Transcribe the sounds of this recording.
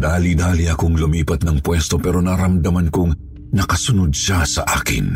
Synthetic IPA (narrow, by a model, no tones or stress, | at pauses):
d̪aːlid̪aːliɐkoŋlʊmiːpɐt̪̚nɐŋpwɛst̪o̞pɛːɾo̞nɐɾɐmd̪ɐmɐnkʊŋ | nɐkɐsʊnod̪̚ʃasɐʔaːkɪ̰n